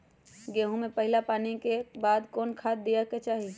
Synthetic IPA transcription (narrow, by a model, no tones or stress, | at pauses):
ɡeːɦũmẽpəɦɪlapaːnikebaːd̪kɔːnkʰaːd̪̚d̪ːijaket͡ʃaːɦi